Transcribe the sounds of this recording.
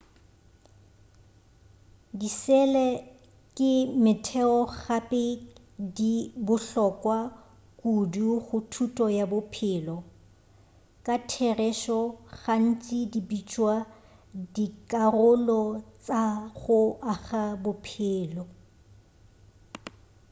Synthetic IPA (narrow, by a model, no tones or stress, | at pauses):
disɛlɛ | kʼɪmɪtʰɛɔɣapʼɪ | dibʊɬɔkʼwa | kʼuduɣʊtʰutʼɔjabʊpʰɪlɔ | kʼatʰɛrɛʃɔɣan̩t͡sʼidibit͡ʃʼwa | dikʼarʊlɔt͡sʼaɣʊaɣabʊpʰɪːlɔ